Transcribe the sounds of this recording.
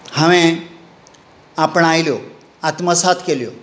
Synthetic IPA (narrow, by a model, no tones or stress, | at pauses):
həʋẽ | apəɳajljo | at̪məsat̪keljo